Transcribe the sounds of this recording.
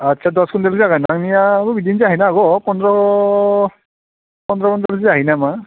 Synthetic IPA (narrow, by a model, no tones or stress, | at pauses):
atːt͡ʃʰadɔskundelziaɡanaŋnijabɔbidinziaɦinaːɡɔpɔndɹɔ | pɔndɹɔkɔndɛlziaɦinama